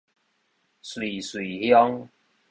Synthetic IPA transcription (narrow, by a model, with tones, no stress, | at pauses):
swi˨˩swi˨˩hjɔ˦ŋ